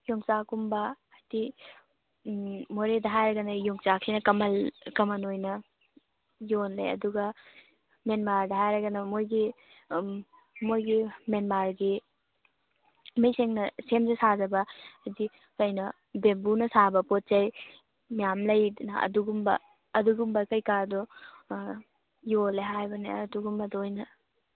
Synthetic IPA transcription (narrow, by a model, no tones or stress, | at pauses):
joŋt͡ʃakumbɐ | ɐti | moɾedɐɦajɾɐɡɐnɐjoŋt͡ʃakʰinɐkɐmɐlkɐmɐnojnɐ | jonlɐjɐ̰duɡɐ | menmaɾdɐɦajɾɐɡɐnɐmojɡi | mojɡimenmaɾɡi | mijseŋnɐsemzesazɐbɐzi | kɐjnɐ | bembunɐsabɐpot̚t͡ʃɐj | mijamlɐjnɐɐ̰duɡumbɐ̰ː | duɡumbɐkɐjkaɾdɔ | joleɦajbɐneɐduɡumbɐdojnɐ